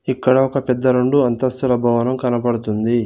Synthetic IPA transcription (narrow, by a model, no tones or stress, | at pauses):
ikːɐɽɐɔkɐpɛd̪ːɐɾoɳɖuɐnt̪ɐst̪ulɐbʱɐʋɐnɐmkɐnɐpɐɽut̪und̪i